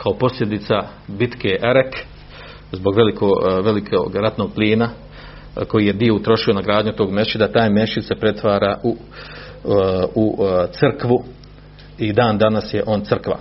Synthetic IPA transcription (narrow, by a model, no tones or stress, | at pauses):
kʰao̞po̞slʎʲe̞d̪it̪sa | bit̪keʔeɾek | zbo̞ɡʋe̞likoʋe̞likʰoɡɾat̪no̞ɡ̚pliːna | ko̞jije̞d̪io̞ut̪ɾo̞ʃio̞naɡɾaːd̪ɲut̪o̞ːɡme̞ʃid̪at̪aːjme̞ʃid̪se̞pɾe̞t̪ʋaːɾaːʔu | ut̪sɨrkʋu | id̪aːnd̪anasje̞ʔo̞ːnt̪sɨrkʋa̰